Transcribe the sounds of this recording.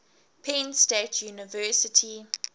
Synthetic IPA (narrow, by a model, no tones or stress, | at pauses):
pʰẽnstetʰjuːnɪvɜːˑsɪtʰi